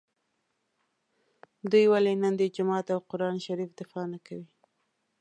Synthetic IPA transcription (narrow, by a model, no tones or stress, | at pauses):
d̪ujwalenənd̪əd͡ʒʊmɑt̪awqʊɾɑnʃaɾifd̪ɪfɑnakawi